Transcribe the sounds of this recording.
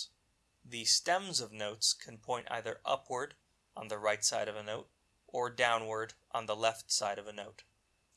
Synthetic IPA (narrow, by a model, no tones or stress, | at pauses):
ðɨstɛ̃mzʌvnoʊtskʰn̩pʰɔ̃ɪ̃ntʔa̰ɪðə˞ʔʌ̰pʰwə˞ɾ | n̩ðɨɹaɪtsaɪɾʌvɨnoʊɾ | ʔə˞dãʊ̃nwə˞ɾʔn̩ðəlɛftsaɪɾʌvɨnoʊt̚